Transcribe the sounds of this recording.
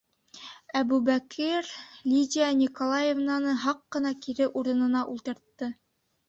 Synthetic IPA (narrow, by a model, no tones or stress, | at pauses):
æbʉbækʰiɾlʲidʲianʲikolˠɑjevnɑnɤɦɑqːɤ̆nɑkiɾɘʔuɾɤ̆nɤ̆nɑʔulˠt̪ɤ̆ɾt̪ːɤ